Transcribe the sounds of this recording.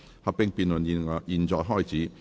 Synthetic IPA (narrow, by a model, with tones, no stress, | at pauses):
hɐ˨˧pːɪ˧ŋpiː˨˧nlə˨˩ni˨˧jiː˨˧nt͡sɔː˧jɦɔː˥˩jt͡siː˨˦˥